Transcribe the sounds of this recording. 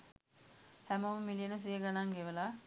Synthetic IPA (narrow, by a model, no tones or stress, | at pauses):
hæməməmilijənəs̬ijəɡanaŋɡeʋəlaː